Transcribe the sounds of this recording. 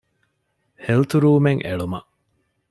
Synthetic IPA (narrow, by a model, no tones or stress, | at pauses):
helt̪uɾuːmeŋḛɭumɐ̰ʔ